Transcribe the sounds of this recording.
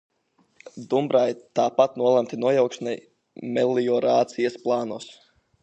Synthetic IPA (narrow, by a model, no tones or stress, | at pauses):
d̪umbɾajt̪aːpat̪nuɔlˠamt̪inuɔjawkʃnɛj | mɛlːiɔɾaːt̪sijasplˠaːnuɔs